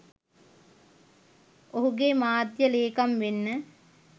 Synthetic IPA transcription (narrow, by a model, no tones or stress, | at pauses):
oɦuɡemaːd̪jəleːkamʋenːə